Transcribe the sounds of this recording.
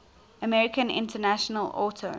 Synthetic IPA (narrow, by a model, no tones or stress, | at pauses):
əmɛɹɪkə̃nɪ̰̃ntənaʃənəlɔ̰ˑtʰo